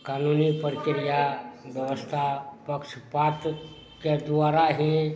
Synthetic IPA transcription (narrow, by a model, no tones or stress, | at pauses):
kaːnunipəɾkɪɾijabjəʋəst̪ʰapəkʃpat̪ | ked̪aːɾaɦĩ